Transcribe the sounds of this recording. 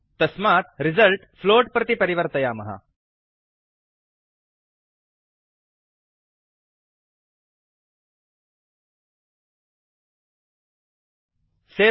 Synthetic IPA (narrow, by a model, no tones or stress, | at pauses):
t̪ɐsmaːt̪̚ɾizɐlʈfloːʈ̚pɾɐt̪ipɐɾiʋɐɾt̪ɐjaːmɐɦɐ̰ | seː